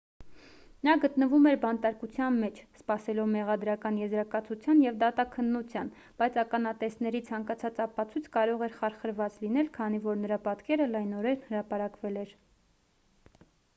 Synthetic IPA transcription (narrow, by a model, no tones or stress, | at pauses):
nɑɡət̪nəvumɛɾbɑnt̪ɑɾkut͡sʰjɑnmɛt͡ʃʰspɑsɛlɔvmɛʁɑd̪ɾɑkɑnjɛzɾɑkɑt͡sʰut͡sʰjɑnjɛvd̪ɑt̪ɑkʰənːut͡sʰjɑn | b̥ɑjt͡sʰɑkɑnɑt̪ɛsnɛɾit͡sʰɑŋkɑt͡sʰɑt͡sɑpɑt͡sʰujt͡sʰkɑɾɔʁɛɾχɑɾχəɾvɑt͡slinɛlkʰɑn̪ivɔɾnəɾɑpɑt̪kɛɾəlɑjnɔɾɛɾnhəɾɑpɑɾɑkvɛlɛɾ